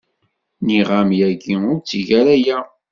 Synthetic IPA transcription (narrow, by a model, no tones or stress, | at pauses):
niʁamjæɡiʊɾt͡sːiʝæɾæjæ